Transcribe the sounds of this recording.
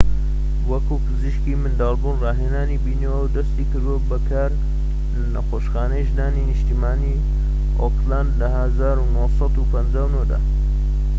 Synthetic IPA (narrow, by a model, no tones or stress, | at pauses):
wɐkupʰɨziʃkiːmɨnd̪ɑːlˠbuːnrɑːɦenaːnibiːnowd̪ɐst̪iːkɨɾd̪uwɐbɐkʰaːɾ | lɐnɐ̰xoːʃxaːnəjʒnaːninɨʃt̪iːmaːniː | oklaːnd̪lɐɦəzaːɾunosɑd̪upʰɐnd͡ʒaːwnoːd̪a̰ː